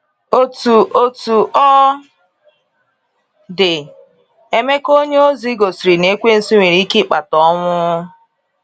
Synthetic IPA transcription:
o˨tu˨ʔo˨tu˨ɔ˦ | dɪ˨ | e˦me˦ko˦ɲe˦o˦zi˦ɡo˨si˨ɾi˨ne˦kʷe˦n̩˦si˦ŋʷe˨ɾi˦ki˦k͡pa˨tɔ˦ŋʷʊ˦

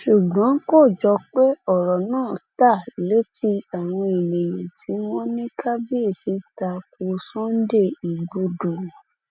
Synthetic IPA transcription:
ʃu˨ɡ͡bɔ̃˨˦ko˦˨d͡ʒɔ˧k͡pe˦ɔ˦˨ɾɔ˨nãː˦˨ta˦˨le˨˦ti˧a˨w̃ɔ̃˧i˨le˨jẽ˨ti˨˦w̃ɔ̃˦nĩ˦ka˦bi˦e˦˨si˨˦ta˧ko˧˦sɔ̃˦n̩˦de˦˨i˨ɡo˧do˨

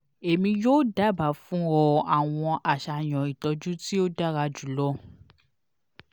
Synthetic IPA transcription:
e˨mĩ˧joː˦da˦ba˨fũ˦ɔ˧a˨w̃ɔ̃˧ʔa˨ʃa˨˧j̃ɔ̃˨i˨tɔ˨˧d͡ʒũ˦ti˦o˦da˦ɾa˧d͡ʒu˨˦lɔ˦

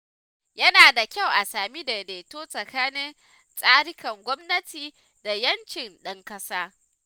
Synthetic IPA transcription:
jɐ˦naː˨da˨kʲa˦˨wʔa˨saː˨mi˦de˨deː˨toː˦sʼɐ˨kaː˦nɪ˦n | sʼaː˦ɽɪ˦kɐ˨ŋɡʷɔ˦mnɐ˦tiː˨ | da˨jɐ˦nt͡ʃɪ˨nɗɐ˦ŋkɐ˦saː˦

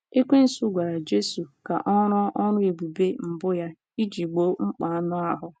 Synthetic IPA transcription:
e˦kʷe˦n̩˨su˦ɡʷa˨ɾa˨d͡ʒe˦su˨ka̰˨ʔɔ˦ɾʊ˦ʔɔ˦nʊ˦i˨bu˨be˦m̩˨bʊ˦ja˦ | i˦d͡ʒi˨ɡ͡bo˦ŋ͡m̩˦k͡pa˨a˦nʊ˦a˦ɦʊ˦

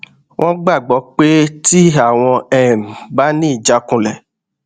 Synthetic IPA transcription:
w̃ʔɔ̃˦ɡ͡ba˦˨ɡ͡bɔ˨˦k͡pe˦ti˦a˦˨w̃ɔ̃˧ɛ˦˨m˨ba˦nĩ˦i˦˨d͡ʒa˨˦kũ˦˨lɛ˨

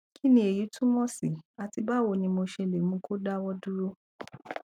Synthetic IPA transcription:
kʰi˦nĩ˧e˨ji˨˦tũ˦mɔ̃˦si˨a˨ti˧ba˦wo˧˨nĩ˧mo˧ʃɛ˧le˨mũ˦kʰo˦da˦wɔ˦du˦ɾo˦

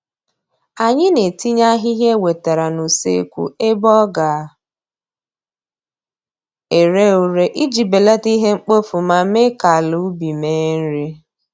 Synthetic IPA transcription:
a˨ɲɪ˦ne˨ti˦ɲa˦ɦi˦ɦe˦we˨ta˨ɾa˨nu˨sḛ˦kʷṵ˨e˦bɔ˦ɡa˨ | e˨ɾe˦u˨ɾe˨ʔi˦d͡ʒi˨be˨le˦ti˦ɦe˦ŋ͡m̩˦k͡po˦fu˨ma˨me˦ka˨lu˦bi˨me˨˦n̩˦ɾi˦

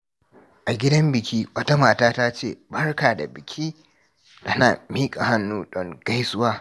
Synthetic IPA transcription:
ʔa˨ɡʲɪ˦dɐ˦mbɪ˨kʲiː˦wɐ˦ta˦maː˨taː˦taː˦t͡ʃeː˦˨bɐ˦rkaː˨da̰˨bɪ˨kʲʰiː˦ | tɐ˦na̰ː˨miː˦kʼa˨ha˦nːuː˦ɗɔ˦ŋɡ̥a˦jsʊ˦waː˦

